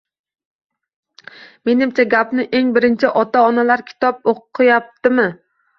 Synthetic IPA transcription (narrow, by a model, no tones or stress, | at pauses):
me̞nɪmt͡ʃʰaɡʲapnɪʔe̞ŋbɪɾɪnt͡ʃʰɪʔɒt̪aɒnalaɾkʲʰɪ̥t̪ʰɒp̚oqʰːɨjap̚t̪ʰɪmɪ